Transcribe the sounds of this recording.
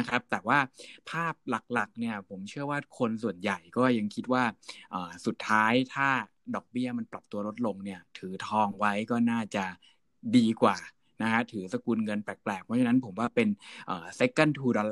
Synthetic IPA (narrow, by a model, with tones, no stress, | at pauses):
kʰɾa˦˥p̚t̪ɛː˨˩waː˥˩pʰaː˥˩p̚la˨˩k̚la˨˩k̚ni˥˩ɐpʰo˩˦mt͡ɕʰɯ˥˩ɐwaː˥˩kʰo˧nsu˨˩ənja˨˩jkɔː˥˩ja˧ŋkʰi˦˥t̪̚waː˥˩ʔəː˨˩su˨˩t̪ʰːaː˦˥jt̪ʰaː˥˩ | dɔː˨˩k̚bi˥˩ɐma˧npla˨˩p̚t̪u˧ɐlo˦˥t̪̚lo˧ŋni˥˩ɐt̪ʰɯː˩˦t̪ʰɔː˧ŋwa˦˥jkɔː˥˩naː˥˩t͡ɕa˨˩ | diː˧kwaː˨˩ | na˦˥kʰa˦˥t̪ʰɯː˩˦sa˧kuː˧nŋɤ˧npɛː˨˩k̚plɛː˨˩k̚pʰɔ˦˥t͡ɕʰa˧na˦˥npʰo˩˦mwaː˥˩pe˧nʔəː˨˩se˦˥kːa˥˩nt̪ʰuː˧dɔː˧